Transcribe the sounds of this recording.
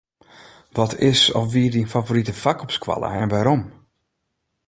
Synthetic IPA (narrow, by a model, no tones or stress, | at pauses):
ʋɔtʰɪsɔfʋiədinfavoɾitəfakɔpskwa̰lˠə̰ɛnʋaɾɔm